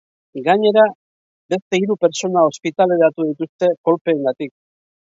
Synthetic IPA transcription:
ɡaɲe̞ɾa | be̞st̪e̞iɾupe̞ɾt͡ʃo̞nao̞spit̪ale̞ɾat̪uðit̪ust̪e̞ko̞lpe̞ːŋɡat̪ik̚

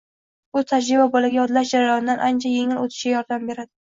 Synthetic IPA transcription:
bʊt̪ʰad͡ʒɾɪbabɒlaɡʲajɒd̪laʃd͡ʒaɾajɒnɪd̪anʔant͡ʃʰaje̞ŋɪlot̪ʰɪ̥ʃɡʲajɒɾd̪ambe̞ɾad̪ɪ

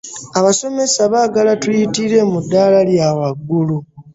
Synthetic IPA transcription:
aβaso̞me̞saβaːɡalatujitiɾe̞mudːaːlaljawaɡːulu

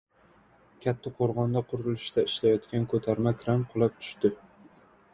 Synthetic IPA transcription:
kʲʰat̪ʰːaqʰoɾʁɒnd̪aqʰʊɾɪlˠɪʃt̪aɪʃlajɒt̪kʲankʰɵt̪ʰaɾmakʲʰɾamqʰolˠap̚t̪ʰʊ̥ʃt̪ɪ

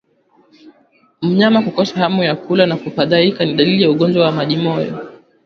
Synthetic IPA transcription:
m̩ɲamakukɔsahamujakulanakufaɗaikaniɗalilijauɠɔnd͡ʒwawamaʄimɔjɔ̰

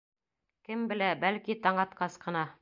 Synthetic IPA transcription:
kɘmbɘ̆læbælkit̪ɑɴɑt̪qɑsqɤ̆nɑ

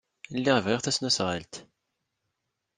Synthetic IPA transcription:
lːiʁəvʁiʁθæsnusʁəlt̪

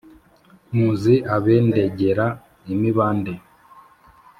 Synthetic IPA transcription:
muːziʔaβeːnde̞ɟeɾa | imiβaːnde

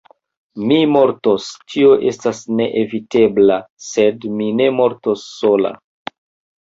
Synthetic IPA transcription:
mimo̞ɾto̞stʰio̞ʔe̞stasne̞ʔevite̞blase̞dmine̞mo̞ɾtosːo̞la̰

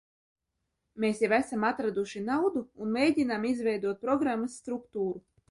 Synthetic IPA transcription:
meːsjavæsamat̪ɾad̪uʃinawd̪uːnmeːɟʲinamizvɛjd̪uɔt̪̚pɾɔɡɾamːasːt̪ɾukt̪uːɾu

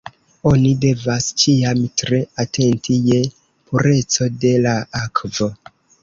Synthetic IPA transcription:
o̞nide̞vast͡ʃiamtɾe̞atʰe̞ntʰije̞ | pʰuɾe̞t͡so̞de̞laakvo̞

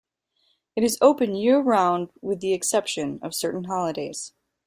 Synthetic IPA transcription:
ɨɾɨzoʊpɨ̃njɪɹɹãʊ̃nd̚wɪðiɨksɛpʃɨ̃nʌ̰v̥sɜ˞ʔn̩ɦɑlˠədeɪz̥

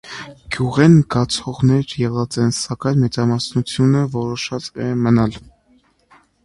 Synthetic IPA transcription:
ɡ̥juʁɛnɡɑt͡sʰɔʁnɛɾjɛʁɑt͡sɛnsɑkɑjnmɛt͡sɑmɑsnut͡sʰjunəvɔɾɔʃɑt͡sɛmənɑl

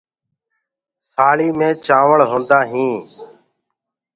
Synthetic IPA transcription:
saːɭiːmẽːt͡ʃãːʋəɭɦõːnd̪aːɦĩː

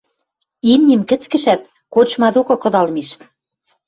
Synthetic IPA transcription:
imnʲĭmkɘ̆t͡skɘ̆ʃæt̪̚ | kot͡ɕmɑd̪okɤ̆kɤ̆d̪ɑlmiʃ

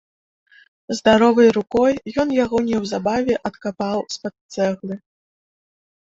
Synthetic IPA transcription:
zd̪aɾɔvɨjɾukɔjːɔnjaɣɔnʲɛwzabavʲɛʔɐt̪kapawspat̪t̪sɛɣlʲˠɨ

